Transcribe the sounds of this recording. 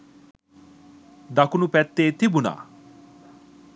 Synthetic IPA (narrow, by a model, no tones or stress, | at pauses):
d̪akunupɛt̪ːet̪ʰibuna̰